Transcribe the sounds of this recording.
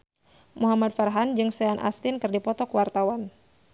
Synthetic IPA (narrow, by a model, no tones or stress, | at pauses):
muɦamad̚fərɦand͡ʒɨŋsɛanʔa̰st̪ɪnkɨrdipɔt̪ɔkəwart̪awan